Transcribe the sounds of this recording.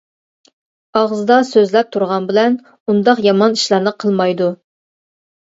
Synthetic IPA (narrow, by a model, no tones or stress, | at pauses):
ɑʁzɨd̪ɑsøzlɛp̚t̪ʰuɾʁɑnbɪlɛn | und̪ɑqjɑmɑniʃlˠɑɾnɨqʰəlˠmɑjd̪u